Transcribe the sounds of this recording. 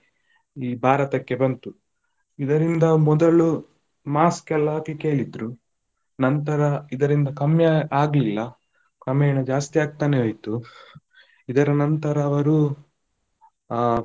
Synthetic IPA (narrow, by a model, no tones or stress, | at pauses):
iːbʱaːɾɐt̪ɐkːe̞bɐnt̪u | id̪ɐɾind̪ɐmɔd̪ɐɭu | maːskɛlːɐkekeːɭid̪ɾu | nɐnt̪ɐɾɐid̪ɐɾind̪ɐkɐmjɐaːɡlilːɐ | kɐmɐːɳɐd͡ʒaːst̪iaːɡ̚t̪aːneɦojt̪u | id̪ɐɾɐnɐnt̪ɐɾɐːʋɐɾu